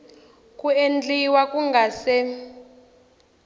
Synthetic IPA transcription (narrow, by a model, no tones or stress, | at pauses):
kʼuend͡ɮiwakʼuŋɡʱasɛ